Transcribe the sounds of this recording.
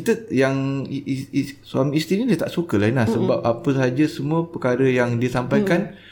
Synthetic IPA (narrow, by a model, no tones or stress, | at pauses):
kit̪əjaŋ | suamĩːst̪inidiət̪aʔsukəlainlahsəbap̚apəsad͡ʒasəmũəpəkaɾəjaŋdiasampajkan